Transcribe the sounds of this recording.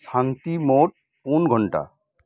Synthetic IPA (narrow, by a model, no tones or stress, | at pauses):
sant̪imoʈ̚ | unɡʱɔɳʈa̰